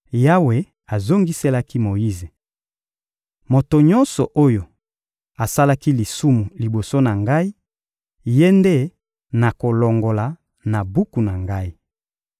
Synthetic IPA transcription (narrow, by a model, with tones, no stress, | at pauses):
ja˦we˨ | a˨zo˦ŋɡi˦se˦la˦ki˦mo˨ji˦ze˨ | mo˨to˨ɲɔ˦nsɔ˨ʔo˦jo˨ | a˨sa˦la˦ki˦li˨su˦mu˨li˨bo˨so˦na˨ŋɡa˦i˦ | je˦nde˦˨ | na˨ko˨lɔ˨ŋɡo˨la˨ | na˨bu˦ku˨na˨ŋɡa˦i˦